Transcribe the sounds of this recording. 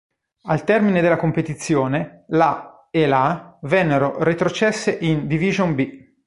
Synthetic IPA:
alt̪ɛrmined̪elːakompet̪it̪sːjoːnela | elavɛnːeɾoret̪ɾot͡ʃɛsːeʔind̪iviʒonbi

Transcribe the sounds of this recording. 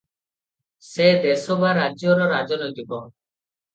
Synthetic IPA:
sed̪esɔbaɾːad͡ʒjɔɾɔɾad͡ʒɔnojt̪ibɔ

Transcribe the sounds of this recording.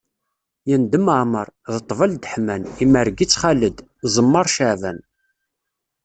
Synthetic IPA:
jənd̪əməʕməɾˤðət̪ˤːvəld̪əħmæniməɾɡit͡sːχaləd̪ | zˤəmːɑɾˤʃəʕvæn

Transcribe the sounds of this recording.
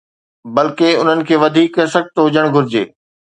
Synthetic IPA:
bɐlkeʊn̤ənɪ̆kʰeːʋɐd̪ʱiːkɦɐsɐɡ̚t̪ɦʊd͡ʑəɽ̃ɡʱʊɾɪd͡ʑḛː

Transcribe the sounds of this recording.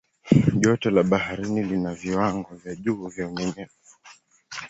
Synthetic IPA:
ʄɔtɔlaɓahaɾinilinaviwaŋɡɔvjaʄuːvjauɲɛɲɛzɛ

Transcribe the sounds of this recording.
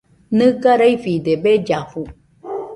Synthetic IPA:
nɨ̃ɡaɾajfid̪ebed͡ʒafu

